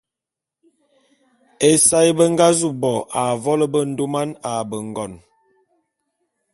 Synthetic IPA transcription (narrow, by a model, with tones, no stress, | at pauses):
e˨sa˦jbə˦ŋ˦ɡa˦zu˦˨bɔ˨ʔa˨vɔ˦lə˦bə˦n̩˦do˦ma˦na˨bə˨ŋ˨ɡɔ˨n